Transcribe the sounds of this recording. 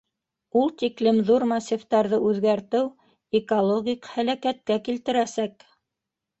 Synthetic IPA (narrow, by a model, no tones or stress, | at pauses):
ulˠt̪iklɘmðuɾmɐsʲift̪ɑɾðɤʔʉðɡæɾt̪ɘw | ekolˠoɡʲikhælækæt̪̚kækilt̪ɘ̆ɾæsæk